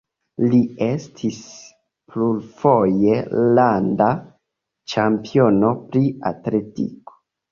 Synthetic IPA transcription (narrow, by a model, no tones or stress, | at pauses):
lie̞stʰis | plulfo̞je̞landa | t͡ʃampio̞no̞pɾia̰tle̞tḭko̥